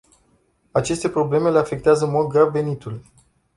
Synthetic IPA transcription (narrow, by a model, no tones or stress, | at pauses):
at͡ʃe̞st̪e̞pɾo̞ble̞me̞le̞afe̞k̚t̪eazəɨnmo̞d̪̚ɡɾavve̞nit̪ul